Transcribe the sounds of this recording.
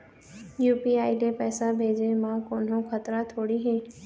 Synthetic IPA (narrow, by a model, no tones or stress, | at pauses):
juːpiaːilepɛːsabʱeːd͡ʒemãːkoːnɦõkʰət̪ɾat̪ʰoːɽiɦɛ̃ː